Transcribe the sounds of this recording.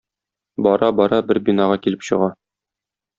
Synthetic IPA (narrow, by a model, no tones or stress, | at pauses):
bɒɾɑbɒɾɑbɘɾbinɑʁɑkilɘpɕɤ̆ʁɑ